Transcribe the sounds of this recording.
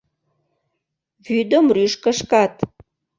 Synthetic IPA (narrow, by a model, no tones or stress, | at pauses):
βyd̪əmryʃkə̆ʃkɑt̪